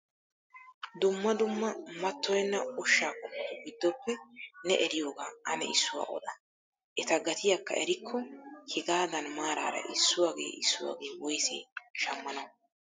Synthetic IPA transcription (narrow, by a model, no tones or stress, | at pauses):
d̪ʊmːɐd̪ʊmːɐmɐt̪ːɔjɛnːɐʊʃːaːkɔtːɔɡɪd̪ːɔpːɛnɛʔɛɾɪjoːɡaːɐnɛ̰ɪsːʊwa̰ːʔɔ̰d̪ɐ | ʔɛt̪ɐɡɐt̪ɪjakːɐ̰ʔɛɾɪkʰːɔhɪɡaːd̪ɐnmaːɾa̰ːɾɐ̰ʔɪsːʊwaːɡḛːʔɪsːʊwa̰ːɡeːwɔjsḛːʃɐmːɐnɐw